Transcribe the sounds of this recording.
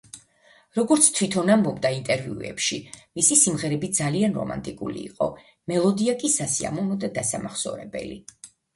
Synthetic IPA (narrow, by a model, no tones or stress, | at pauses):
ɾɔɡɔɾt̪sʰt̪ʰwit̪ʰɔnambɔbd̪aint̪ʼɛɾviṵɛ̰pʃimisisimʁɛɾɛbid̪zalianɾɔ̰ma̰nt̪ʼikʼulḭːqʼɔ | mɛlˠɔd̪iakʼisasia̰mɔvnɔd̪ad̪asamaχsɔ̰ɾɛbɛ̰lḭ